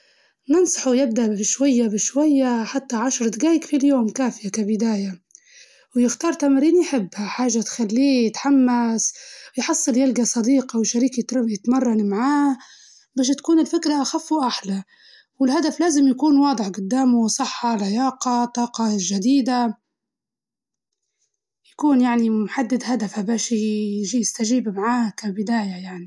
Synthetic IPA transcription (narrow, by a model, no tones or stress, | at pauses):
nɨnsˤɑ̥ħujɪb̚d̪aʔbɪʃwajːabɪʃwajːaħat̪ːaʕaʃɾˤd̪ɡaːjɪkfiljoːmkaːfɪjakabɪd̪aːja | wjɪxt̪ɑːɾˤt̪amaɾiːnjħɪbːhaħaːʒːat̪xalːiːjɪt̪ħamːasjħɑsˤːɨljalɡasˤɑd̪iːqɑwʃaɾiːkjɪt̪jɪt̪mɑrˤːɑnmaʕaː | baːʃ̬t̪kuːnɪlfɪkɾaʔaxafːuʔaħla | wɪlɦad̪aflaːzɪmjakuːnwɑːd̪ˤɨħɡʊd̪ːaːmusˤɨħːɑlʕɪjɑːqɑt̪ˤːɑːqɑʒad̪iːd̪a | jakuːnjaʕnimħad̪ːɪd̪had̪afhabaːʃʒijɪst̪aʒiːbmaʕaːkabɪd̪aːjajaʕni